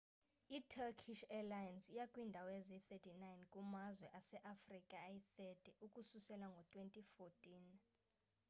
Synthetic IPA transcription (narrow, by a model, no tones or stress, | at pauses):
itʰɛkʰiʃɛlajansijakʼwindʱawɛzɛθɛtʰʼinajnkʼumazwɛʔasɛʔafrikʼajiθɛtʼɛʔukʼususɛlaŋɡʱɔtʰʼwentʼifotʼiːn